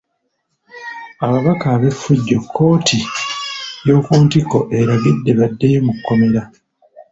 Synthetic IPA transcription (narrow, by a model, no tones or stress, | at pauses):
aβaβakaːβe̞fːuɟːo̞kʰːo̞ːtʰi | jo̞ːkuːntiko̞ʔe̞ɾaɡidːe̞βadːejomukːomiɾa